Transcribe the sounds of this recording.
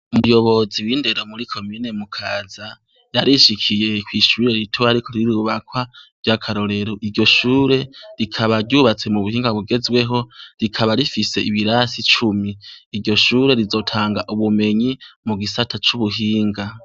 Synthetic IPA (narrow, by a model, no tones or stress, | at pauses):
umujo̞βo̞ziwiːnde̞ɾomuɾikʰo̞miːne̞mukʰaːza | jaɾiʃikʰije̞kwiʃuːɾe̞ɾitʰuaɾikʰo̞ɾiɾuβakwavɟakʰaɾo̞ɾe̞ɾoʔiɾɟo̞ʃuːɾe̞ɾikʰaβaɾɟuβat͡se̞muβuhiːŋɡaβuɡe̞zwe̞ɦo̞ɾikʰaβaɾifise̞iβiɾasit͡ʃumiːɾɟo̞ʃuːɾe̞ɾizo̞tʰaːŋɡaʔuβume̞ɲimuɡisatʰat͡ʃuβuɦiːŋɡa